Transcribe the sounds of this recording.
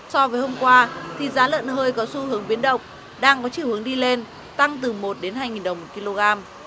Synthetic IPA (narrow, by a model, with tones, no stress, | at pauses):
sɔ˧vəː˨˦jho˧mkwaː˧t̪ʰi˨˩zaː˨˦lə̰ː˧˨nɦəː˧jkɔ˨˦su˧hɨ˨˦əŋɓi˨˦ənɗə̰˧˨wŋ͡m | ɗaː˧ŋkɔ˨˦t͡ɕi˧˨whɨ˨˦əŋɗi˧le˧n | t̪a˧ŋt̪ɨ˨˩mo˨˩t̚ɗe˨˦nɦaː˧jŋi˨˩nɗə˨˩wŋ͡mmo˨˩t̚ki˧lo˧ɣaː˧m